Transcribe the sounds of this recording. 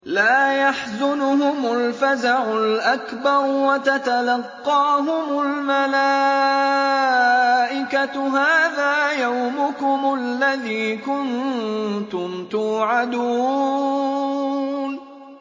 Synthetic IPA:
laːjaħzʊnʊhʊmʊlfazaʕʊlʔakbɑɾˤwat̪at̪alɑqːɑːɦʊmʊlmala | ʔɪkaɦaːðaːjawmʊkʊmʊalːaðiːkʊn | t̪ʊmt̪uːʕad̪uː | n

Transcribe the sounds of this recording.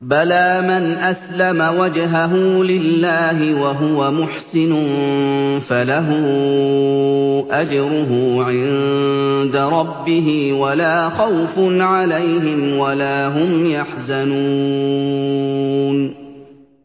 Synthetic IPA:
balaːmanʔaslamawad͡ʒɦaɦʊːlɪlːaːɦɪwaɦʊwamʊħsɪnʊnfalaɦʊː | ʔad͡ʒɾʊɦʊːʕɪn | d̪aɾˤɑbːɪɦiwalaːxawfʊnʕalajhɪmwalaːɦʊmjaħzanuː | n

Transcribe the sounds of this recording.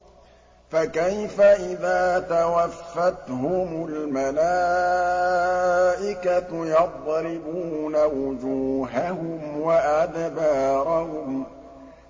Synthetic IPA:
fakajfaʔɪðaːt̪awafːat̪hʊmʊlmalaː | ʔɪkajɑt̪̚ˤːlɪbuːnawʊd͡ʒuːɦahʊmwaʔad̪bɑːɾahʊm

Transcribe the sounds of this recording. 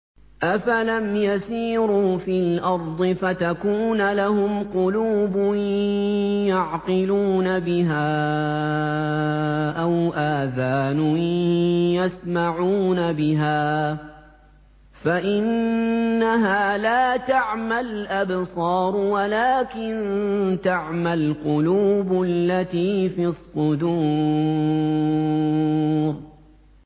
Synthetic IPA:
ʔafalamjasiːɾuːfilʔɑɾˤd̪ˤɨfat̪akuːnalahʊmqʊluːbʊ | jɑʕqɪluːnabɪɦaː | ʔawʔaːθaːnʊ | jasmaʕuːnabɪɦaː | faʔɪnː | aɦaːlaːt̪aʕmalʔabsˤɑːɾˤwalaːkɪnt̪aʕmalqʊluːbʊlːat̪iːfiːɑsˤːʊd̪uː | ɾ

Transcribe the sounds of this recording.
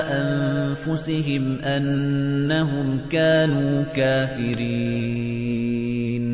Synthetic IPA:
ʔanfʊsɪɦɪmʔanːaɦʊmkaːnuːkaːfɪɾi | n

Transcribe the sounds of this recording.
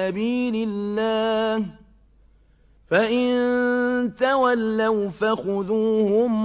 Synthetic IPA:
abiːlɪːaːh | faʔɪn | t̪awalːawfaxʊðuːhʊm

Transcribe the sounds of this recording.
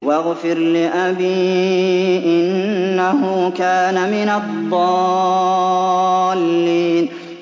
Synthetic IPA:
waɣfɪɾlɪʔabiː | ʔɪnnːahʊkaːnamɪnad̪ˤːɑː | lːiːn

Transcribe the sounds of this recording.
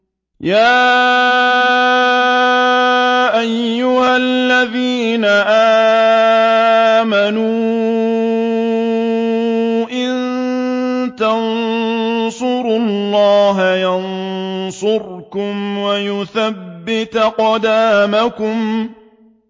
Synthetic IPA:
jaː | ʔajːʊhalːaðiːnaʔaː | manuː | ʔɪn | t̪an | sʊɾʊllˤːɑːɦajansʊɾkʊmwajʊθabːɪt̪qɑd̪aːmakʊm

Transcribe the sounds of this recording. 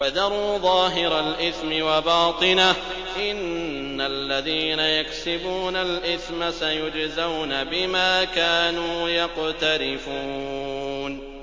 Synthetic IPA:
fad̪ɑɾˤuːðˤɑːɦɪɾalʔɪθmɪwabɑːt̪ˤɨna | ʔɪnː | alːaðiːnajaksɪbuːnalʔɪθmasajʊd͡ʒzawnabɪmaːkaːnuːjɑqt̪aɾɪfuː | n

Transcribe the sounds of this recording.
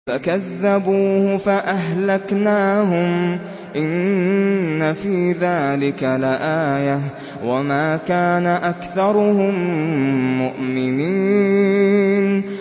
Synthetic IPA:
fakaðːabuːhʊfaʔaɦlaknaːɦʊm | ʔɪnː | afiːðaːlɪkalɪʔaːja | wamaːkaːnaʔakθɑɾˤʊhʊmː | ʊʔmɪniː | n

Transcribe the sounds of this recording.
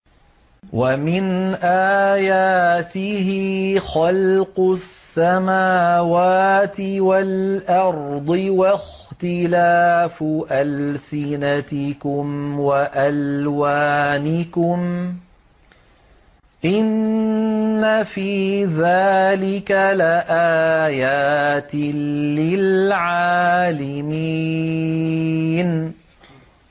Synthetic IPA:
wamɪnʔaːjaːt̪ɪhɪxɑlqʊsːamaːwaːt̪ɪwalʔɑɾˤd̪ˤɨwax | t̪ɪlaːfʔalsɪnat̪ɪkʊmwaʔalwaːnɪkʊm | ʔɪnː | afiːðaːlɪkalaʔaːjaːt̪ɪlɪlʕaːlami | n

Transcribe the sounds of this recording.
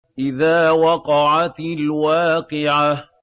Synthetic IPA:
ʔɪðaːwɑqɑʕat̪lwaːqɨʕa

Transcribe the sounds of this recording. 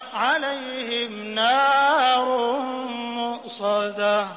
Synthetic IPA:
ʕalajɦɪmnaːɾʊ | mʊsˤɑd̪a

